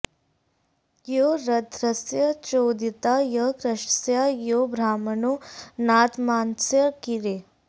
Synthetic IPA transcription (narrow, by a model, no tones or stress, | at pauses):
joɾɐd̪ʱɾɐsjɐt͡ʃoːd̪it̪aːjəkɾɐʃsjajobʱɾaːmɐnoːnaːt̪maːnsjɐkiɾeː